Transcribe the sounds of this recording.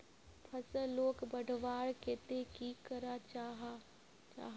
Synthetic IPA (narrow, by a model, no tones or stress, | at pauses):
pʰəsəloːkbəɖʱʋaːɽket̪ekikəɾat͡ʃaɦ | t͡ʃa̰ːɦ